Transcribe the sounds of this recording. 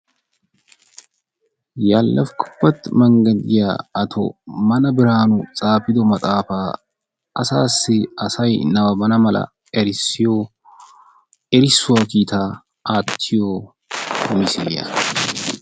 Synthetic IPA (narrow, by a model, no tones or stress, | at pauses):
jaːlːɐfkʊ̥bːɐt̪ːmɐŋɡɐd̪ɪja̰ːɐt̪ʰo̰mɐnɐbɪɾaːnʊt͡sʼaːfɪd̪ɔmɐt̪ʼaːfaː | ɐsaːsɪɐsɐjnɐwɐbɐnɐmɐlɐ̰ | ɛɾso | ɛɾɪsʊɐkiːt̪ʰaː | ʔaːt̪ʰːɪjoː | ʊmɪsḛːjɐ̰